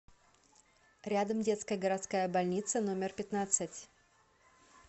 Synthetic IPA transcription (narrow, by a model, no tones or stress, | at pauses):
ɾʲad̪əmdʲe̞t̪skəjəɡəɾɐt̪skajəbɐlʲnʲit̪səno̞mʲɪrpʲɪt̪nat̪sɨtʲ